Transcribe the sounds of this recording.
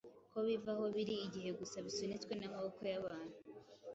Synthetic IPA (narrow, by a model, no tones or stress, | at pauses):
ko̞βivaho̞βiɾiːɟiɦe̞ɡusaβisunet͡swe̞naɦokojaβaːn̥hu